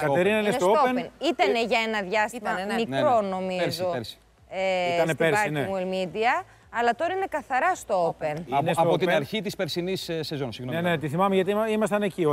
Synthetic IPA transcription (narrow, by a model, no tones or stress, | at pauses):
kɐeɾinɐinet̪ooenenit̪ɐne̞ʝɐenɐðʝɐst̪imɐmikɾo̞no̞mizsoɾsi̥ | eiɐnepeɾsɐineuelmid̪iɐ | ɐlɐt̪o̞ɾɐine̞kɐθɐɾɐst̪oopenɐnesɐoot̪iɐɾçit̪ispeɾsinissezonsiɣnonenet̪iθimɐmeʝɐt̪iimɐst̪ɐne̞cio